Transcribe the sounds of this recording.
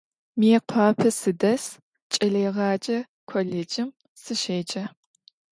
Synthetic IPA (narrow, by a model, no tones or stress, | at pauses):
meːqʷʰɑːpʰɐsɨdɐs | t͡ʃʼɐɮeːʁɑːt͡ʃʼɐ | kʷʰoɮeːd͡ʒɪm | sɨʃeːt͡ʃʼɐ